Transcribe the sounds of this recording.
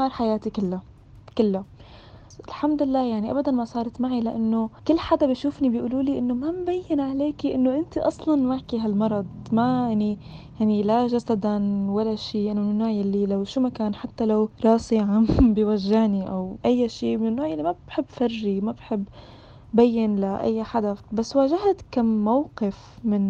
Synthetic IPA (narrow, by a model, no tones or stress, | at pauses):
ɑːɾˤħajaːt̪ikɪlːa | kɪlːa | ɪlħamd̪ɪlːaːjaʕniʔabad̪anmasˤɑːɾˤɑt̪maʕilaʔanːokɪlːħad̪abiʃuːfnibiʔuːluːliʔɪnːomambajːɪnʕaleːkiʔɪnːoʔɪnt̪iʔɑsˤlɑnwaʕkiɦalmɑɾˤɑd̪̚ˤmajaʕni | jaʕnilaʒasad̪anwalːaʃiːʔɪnːomɪnːoːʕjalːilawʃumakaːnħat̪ːalawɾˤɑːsɪʕambɪwaʒːɪhniʔa̰wʔajːaʃiːmnnːoːʕjalːimabbħɪbːfarʒimabħɪbː | bajːɪnlaʔa̰jːaħad̪afbasːwaːʒahat̪kamːawqɪfmɪn